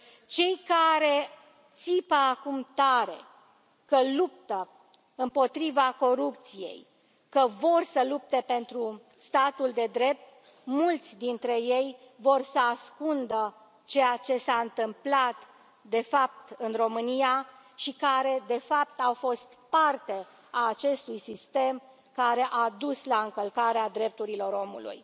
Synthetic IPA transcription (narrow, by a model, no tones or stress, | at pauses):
t͡ʃe̞jkaɾe̞ | t̪sipəakumt̪aɾe̞̰ | kəlup̚t̪ə | ɨmpo̞t̪ɾivako̞ɾup̚t̪sije̞̰j | kəvo̞rsəlup̚t̪e̞pe̞nt̪ɾu | st̪at̪uld̪e̞d̪ɾe̞p̚t̪̚ | mult̪sʲd̪int̪ɾe̞jej | vo̞rsəaskund̪ə | t͡ʃe̞jat͡ʃe̞saɨnt̪ɨmplat̪ | d̪e̞fap̚t̪ɨnro̞mɨnija | ʃikaɾe̞d̪e̞fap̚t̪awfo̞st̪part̪e̞ | aːt͡ʃe̞st̪ujsist̪e̞m | kaɾe̞ʔad̪uslaɨŋkəlkaɾead̪ɾe̞p̚t̪uɾilo̞ɾo̞mṵlṵj